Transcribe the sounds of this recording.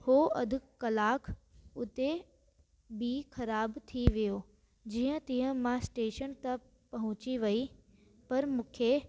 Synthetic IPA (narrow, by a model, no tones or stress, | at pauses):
hoɐ̰d̪ʱɪkkɐlaːkʰʊt̪e | biːxɐɾaːbt̪ʰiʋijo | d͡ʑiːə̃t̪iːə̃mãsʈeːʃənt̪ɐ̃ | pɐɦʊ̃t͡ɕiʋɐi | pɐɾmũːkʰe